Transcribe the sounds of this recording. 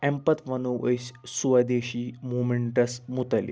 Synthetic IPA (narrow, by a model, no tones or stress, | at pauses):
ɛmpət̪ʰʋənuəɕsuʋəd̪eɕiːmumeɳʈəsmut̪əlḭ